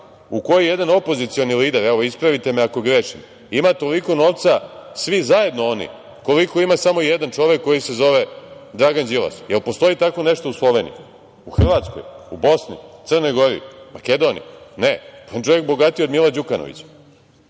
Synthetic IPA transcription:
uko̞jijed̪ano̞po̞zit̪sio̞niliːd̪eɾɛʋoispɾaʋit̪e̞meako̞ɡɾeʂim | imat̪o̞liko̞no̞ʋt̪sasʋizaje̞d̪no̞onḭ | ko̞liko̞imasamoijed̪ant͡ʃo̞ʋje̞kːo̞jise̞zo̞ʋed̪ɾaɡand͡ʑila̰sjelpo̞st̪o̞jit̪ako̞neʃt̪ouslˠo̞ʋe̞ːnḭjḭ | uxr̩ʋaːt̪sko̰jubo̞snḭt̪sər̩no̞jɡo̞ɾḭmake̞d̪o̞nḭjneont͡ʃo̞jek̚bo̞ɡat̪iod̪milˠad͡ʑukano̰ʋḭt͡ɕ

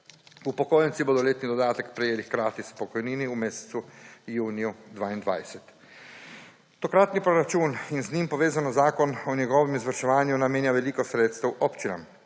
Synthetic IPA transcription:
upokoːjɛnt̪siboːd̪ɔleːt̪nid̪od̪aːt̪akpɾɛjeːlixkɾaːt̪ispokɔjniːniumeːse̥t̪sujuːnijud̪ʋaːind̪ʋa̰ːjsɛt̪ | t̪okɾat̪nipɾoɾat͡ʃuːninzniːmpoʋeːzanazaːkɔnɔnɛɡɔʋɛmizʋəɾʃɛʋaːnjunameːnjaʋɛlikɔsɾeːt̪st̪auʔopt͡ʃina̰m

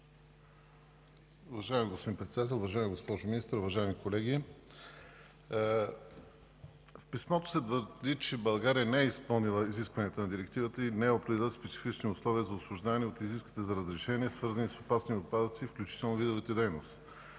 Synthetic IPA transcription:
ʊvɐʒaɪmiɡospod̪inpɾɛt̪sd̪at̪̬ɛlˠʊvɐʒajɛmiɡospɔʒʊminist̪əɾʊvɐʒaɛmikolɛɡʲi | fpismɔt̪o̥sɛt̪vəɾd̪it͡ʃɛbɐlˠɡaɾiənɛɛispɤlˠnilˠəiziskvəɐnijət̪ənɐd̪iɾɛk̚t̪ivət̪əinɛɛopɾɛd̪ʲɛlʲˠəspɛt͡ʃ̪i̥fit͡ʃniʊslˠɔviəzɐʊslˠʊʒd̪avnɛot̪iziskvi̥t̪ɛzɐɾɐzɾɛʃɛniɛsvɤɾzənisopasniot̪̚pad̪ət̪sifklʲut͡ʃi̥t̪ɛlˠnovid̪ovət̪əd̪ɛjnost̪

